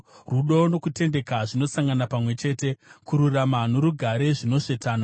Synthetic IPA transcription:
ruɗo̞no̞kute̞nde̞kaʐino̞saŋɡanapamwe̞t͡ʃe̞ːte̞kuɾuramanoɾuɡʱaɾe̞ʐino̞ʂe̞taːna

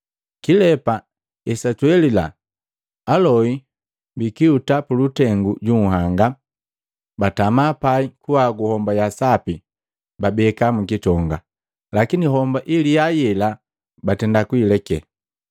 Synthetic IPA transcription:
kilɛpa | ɛsatuɛlilaː | lɔi | bikiutapulutɛŋɡuɟuŋ̩ɦaŋɡa | batamapaikuwaɡuhɔmbajasapi | babɛkamukitɔŋɡa | lakiniɦɔmbaʔilijajɛla | batɛndakuilɛkɛ̰

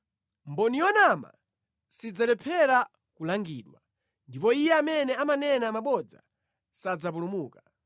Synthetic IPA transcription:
mbɔnijɔnama̰ | sid͡zalɛpʰɛɾa | kulaŋɡḭːɗwa̰ | ndipɔijɛamɛnɛamanɛnamaɓɔd͡za̰ | sad͡zapulumuːka

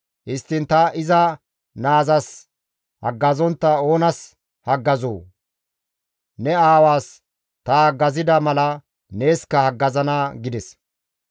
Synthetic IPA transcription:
hɪst̪ːɪnt̪ɐʔɪzɐ | naːzɐs | hɐ̰ɡːɐzɔnt̪ːɐo̞ːnɐs | hɐɡːɐzo̰ː | nɛaːwaːs | t̪ɐɡɐzɪd̪ɐmɐlɐ | ne̞ːskːɐhɐɡːɐzɐnaːɡɪd̪ɛs

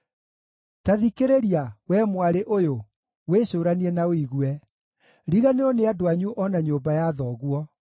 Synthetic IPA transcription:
taðikeɾeɾiawɛmwaɾeʔojo | weːɕoːɾaniɛnaoiɣwɛ | ɾiɣaneɔneadoaɲuʔɔnaɲoːmbajaðɔːɣwɔ

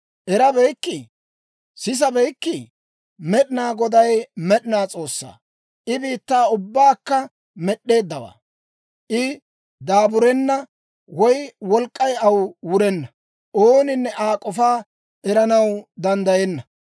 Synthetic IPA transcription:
ʔɛɾɐbɛjkːɪ | sɪs̬ɐbɛjkːɪ | mɛɗɪnaːɡɔd̪ɐjmɛɗɪnaːt͡sʼo̞ːsːa̰ː | ʔɪbiːt̪ːaːʊbːaːkːɐ | mɛɗːe̞ːd̪ːɐwa̰ː | ʔɪ | d̪aːbʊɾɛnːɐ | wɔjwɔlkʼːɐjɐwwʊɾɛnːɐ | ʔoːnɪnːɛʔaːkʼɔfaː | ʔɛɾɐnɐwd̪ɐnd̪ɐjɛnːɐ

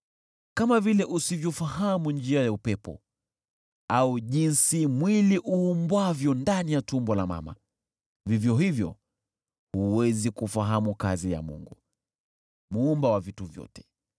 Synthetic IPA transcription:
kamavilɛʔusivjɔfaɦamund͡ʒiajaupɛpɔ̰ | auʄinsimwiliʔuːmbwavjɔndanijatumbɔlama̰ma̰ | vivjɔɦivjɔ̰ | huwɛzikufaɦamukazija̰mṵŋɡu | muːmbawavituvjɔ̰tɛ̥

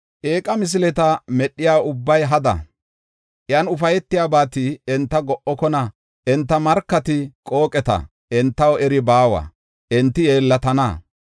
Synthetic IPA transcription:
ʔeːkʼɐmɪs̬lɛt̪ɐmɛɗːɪjaːʊbːɐjɦɐd̪ɐ̰ | ʔjɐnʊfɐjɛt̪ːɪjaːbaːt̪ɪɛnt̪ːɐɡɔʔɔkɔnɐ | ʔɛnt̪ːɐmɐɾkːɐt̪ɪkʼo̞ːkʼɛt̪ɐ̰ | ʔɛnt̪ːɐwɛɾɪbaːwɐ̰ | ʔɛnt̪ːɪje̞ːlːɐt̪ɐna̰ː

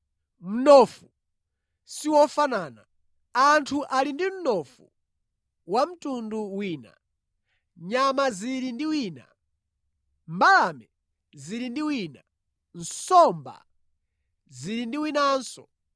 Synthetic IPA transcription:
m̩nɔfu | siwɔfanaːna | antʰuʔalindim̩nɔfu | wam̩tʼunduwiːna̰ | ɲamaziɾindiwiːna̰ | mbalamɛ | ziɾindiwiːna | n̩sɔmba̰ | ziɾindiwinaːnsɔ

